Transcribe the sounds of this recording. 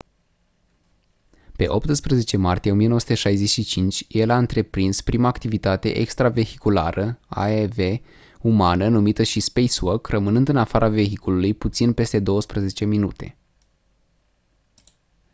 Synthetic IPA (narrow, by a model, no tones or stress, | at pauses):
pe̞̰ʔo̞pt̪ɨspɾəze̞t͡ʃe̞mart̪ije̞o̞mije̞noəsu̥t̪eʃajze̞ʃit͡ʃint͡ʃʲjelaɨnt̪ɾe̞pɾinspɾimaːkt̪ivit̪at̪e̞̰ʔḛkst̪ɾave̞hi̥kula̰ɾəa̰eve̞ | umanənumit̪əʃispejswokrəmɨnɨnd̪ɨnafaɾʔave̞ɦikululujput̪sinpe̞st̪e̞d̪o̞wəspɾəze̞t͡ʃe̞minut̪e̞̰